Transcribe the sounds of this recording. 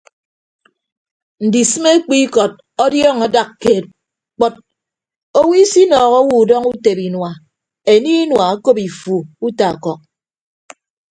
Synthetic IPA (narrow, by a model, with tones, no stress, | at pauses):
n̩˨di˨sɨ˦me˦k͡pi˦kɔ˨t̚ | ɔ˦djɔː˦˨ŋɔ˦da˦kːeː˨t̚ | k͡pɔ˦t̚ | o˦wi˦si˦nɔː˨ɣɔ˦wu˨dɔ˦ŋu˦te˨bi˨nwa˨ | e˨ni˦i˦nwa˨a˦ko˦pi˨fu˨u˦ta˨kɔ˨k̚